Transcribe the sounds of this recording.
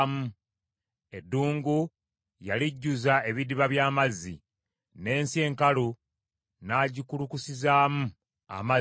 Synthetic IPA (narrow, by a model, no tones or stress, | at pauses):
mu | e̞dːuːŋɡu | jaliɟːuzae̞βidiβaβjaːmazːḭ | ne̞ːnsie̞ːŋkalu | naːɟikulukusizaːmu | a̰ma